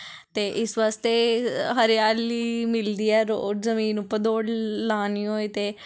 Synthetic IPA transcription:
t̪eːʔɪsʋaːst̪eːɦəɾejaːliːmɪld̪iːɛːɾoːʈzəmĩːnːũːpəd̪oːɽlaːniːoːet̪eː

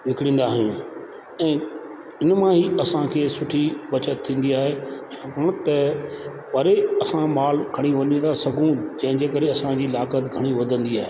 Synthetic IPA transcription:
ʋɪkɪɽ̃ĩːn̆d̪aːɦɪũ | ɛ̃ː | ɪnmãɦiɐsãkʰeːsʊʈʰibɐt͡ɕət̪t̪ʰːĩːn̆d̪iaːɦet͡ɕʰakəɽ̃t̪ɐ | pɐɾeɐsãmaːl̤kʰɐɽ̃iʋɐɲə̃n̆d̪asɐɡʱũd͡ʑɐ̃ɦɪ̃d͡ʑeːkəɾeɐsãd͡ʑiːlaːkət̪ɡʱɐɽ̃iʋɐd̪ʱə̃nd̪iaːɦe

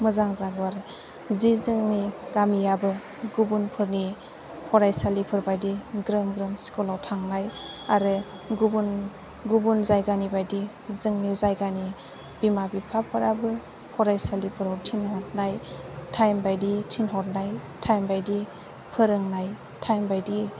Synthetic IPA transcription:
mɯzaŋzaɡɯwaɾɯ | zizɯŋniɡ̥amijabɯ | ɡubunpʰɯɾni | hʰɔɾajsalipʰɯɾbajdiɡɾɯmɡɾɯmsi̥kɔlawtʰaŋnaj | aɾɯ | ɡubun | ɡubunzajɡanibajdi | zɯŋnizajɡani | b̥imabipʰapʰɯɾabɯ | hʰɔɾajsalipʰɯɾawtʰinhɔt̚najtʰajmbajditʰinɦɔt̚najtʰajmbajdi | pʰɯɾɯŋnaj | tʰajmbajdi

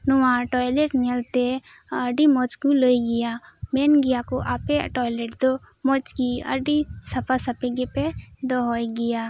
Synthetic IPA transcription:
nʊwãʈɔːjleʈmelt̪e | əɖimɔt͡ʃkuləiɡija | menɡijakoʔapeʈɔːjleʈd̪o | mɔt͡ʃkiə̰ɖisɐpasɐpeɡepe | d̪oɦɔjɡɪja

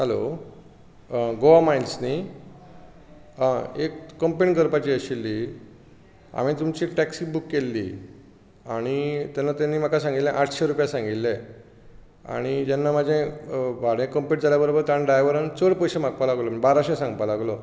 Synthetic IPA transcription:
ɦalo̰ | ɡoamajlsni | ɦãekːəmpeɳɡəɾpat͡ɕiːəɕilːiː | a̰m̤iːt̪umt͡ɕiːʈɛksibukːelːḭː | aɽ̃it̪janːat̪janːiːm̤akasãŋɡit̪lẽʔaʈʰɕeɾupjasãŋɡit̪ːẽ | a̰ɽ̃id͡ʑanːamad͡ʑʱẽbʱaɽẽkəmpiʈ̚d͡zʱaljabəɾobəɾt̪aɳɖajʋəɾənt͡səɽpəɕẽm̤ak̚palaɡlɔməbaɾaɕẽsãŋɡpalaɡlɔ

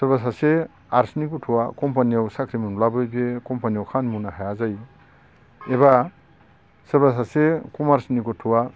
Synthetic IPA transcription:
sɯbasase | aɾsnikutʰuwakɔmpaniawsakʰɾimunlabɯjbekɔmpanijawkʰanmunahajazaj | eba | sɯbas̬asekɔmaɾsnikɔtʰuwa

